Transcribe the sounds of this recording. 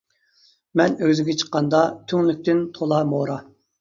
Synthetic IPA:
mɛnøzɪɡʲɛt͡ʃʰə̥qːɑnd̪ɑt̪ʰyŋlˠyk̚ʲt̪ɪnt̪ʰolˠɑmoɾɑ

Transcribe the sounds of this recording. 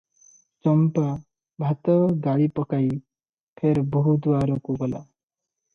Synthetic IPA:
t͡ʃɔmpa | bʱat̪ɔɡaɭipɔkaj | pʰeɾbɔɦud̪uwaɾɔkuɡɔla̰

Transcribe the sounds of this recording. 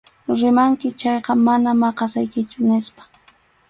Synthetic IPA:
ɾɪmaŋkɪt͡ʃɑjqɑmanamɑqɑsajkɪt͡ʃʊnɪspḁ

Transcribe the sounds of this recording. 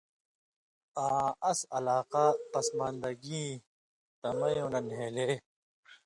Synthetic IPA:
ãːɐsɐ̰laːqapɐsmaːnd̪ɐɡĩː | t̪ɐmɐjõnɐnɦeːle

